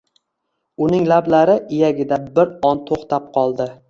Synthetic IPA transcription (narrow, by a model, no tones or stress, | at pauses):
ʊnɪŋlablaɾɪʔɪjaɡʲɪd̪abɪɾɒnt̪ʰoχt̪ap̚qʰɒlˠd̪ɪ